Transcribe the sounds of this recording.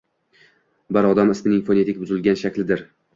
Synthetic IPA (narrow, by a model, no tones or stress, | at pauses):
baɾɒd̪amɪsmɪnɪŋfonet̪ɪkʲbʊzɪlɡʲanʃakʲlɪd̪ɪɾ